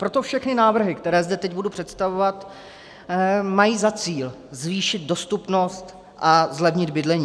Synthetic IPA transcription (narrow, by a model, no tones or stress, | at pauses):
pɾo̞t̪o̞fʃɛxnɪnaːvr̩ɦɪkt̪ɛɾɛːzdɛt̪ɛcbudupr̥ɛt̪st̪avovat̪ | majiːzat͡siːl | zviːʃɪd̪̚do̞st̪upno̞st̪ | ʔazlɛvɲɪd̪bɪdlɛɲiː